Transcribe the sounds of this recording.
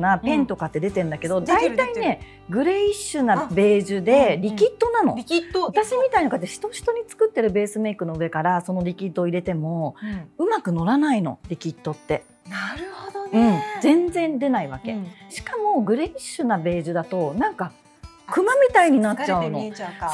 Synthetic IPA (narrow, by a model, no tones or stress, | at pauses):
napẽ̞nt̪o̞kat̪ːe̞d̪e̞t̪e̞ɯ̃nd̪ake̞d̪od̪ait̪aine̞ | ɡɯ̟ɾe̞iɕɨnabe̞ːʑɨd̪e̞ɾʲikʲit̪ːo̞nano̞̰t̪aɕimʲit̪ainokat̪ːeɕi̥t̪o̞ɕi̥t̪o̞ɲ̟it͡sɨ̥kɯ̟t̪ːe̞ɾɯ̟be̞ːsɨme̞ikɯ̟no̞ɯ̟e̞kaɾaso̞no̞ɾʲikʲit̪ːo̞ːiɾe̞t̪e̞mo̞ɯ̟makɯ̟no̞ɾanaino̞̰ɾʲikʲit̪ːo̞t̪ːe̞ | a | ɯ̟̃ɴzẽ̞nd͡zẽ̞nd̪e̞naiβa̰ke̞ɕi̥kamo̞ɡɯ̟ɾe̞ːiɕɨnabe̞ːʑɨd̪at̪o̞nãŋka | kʰɯ̟mamʲit̪aiɲ̟inat͡ɕːaɯ̟no̞̰